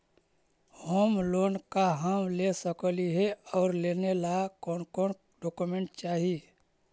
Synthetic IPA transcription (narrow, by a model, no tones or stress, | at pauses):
hoːmloːnkaɦamlesəkliɦɛɔːɾlenelakɔnkɔːn | ɖɔːkumẽɳʈ̚t͡ʃaːɦi